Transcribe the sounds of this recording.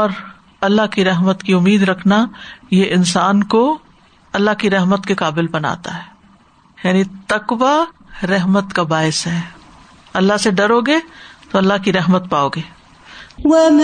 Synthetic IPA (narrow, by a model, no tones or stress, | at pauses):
ɔːɾ | ɐlːaɦkiɾɛɦmət̪kiʊmːiːd̪ɾɐkʰnajeʔɪnsaːnko | ɐlːaɦkiɾɐɦmət̪kekaːbɪlbɐna̰ːt̪a̰ɦɛː | jaːnit̪ɐqʋa | ɾɛɦmət̪kabaːɪsɦɛː | ɐlːaseɖɐɾoːɡet̪oɐlːaɦkiɾɛɦmət̪̚paːoːɡeː | w